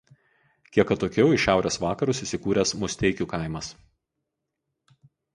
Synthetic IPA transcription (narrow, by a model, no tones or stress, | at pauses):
kʲiɛkɐt̪oːkʲɛʊɪʃʲæˑʊɾʲʔesʋɑːkɐɾuˑsiˑsʲɪkuːɾʲɛsmʊsʲt̪ʲɛɪkʲuːkɐˑɪmɐs